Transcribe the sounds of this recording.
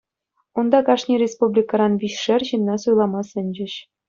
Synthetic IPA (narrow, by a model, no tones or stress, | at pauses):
und̪ɑkɑʂnʲirʲespublʲikɑɾɑnʋʲiɕʂɘ̆rʲʑinːɑsujlˠɑmɑsɘ̆nʲd͡ʑɘ̆ɕ